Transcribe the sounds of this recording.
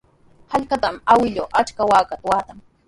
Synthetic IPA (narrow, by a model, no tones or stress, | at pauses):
haʎkat̪amawɪʎoːʔat͡ʃkawaːkat̪wat̪am